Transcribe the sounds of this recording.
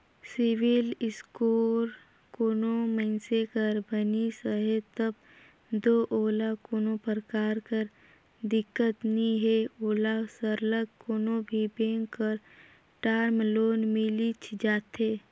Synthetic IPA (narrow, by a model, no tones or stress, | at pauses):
sɪʋɪlɪskoːɾ | koːnõmənsekəɾbənisəɦet̪əb | d̪oːʔoːlakoːnõpəɾkaːɾkəɾ | d̪ɪkːət̪nĩɦeoːlasəɾləɡkoːnõbʱibẽːŋəɾ | ʈaːɾmloːnmɪlit͡ʃʰd͡ʒaːt̪ɦeː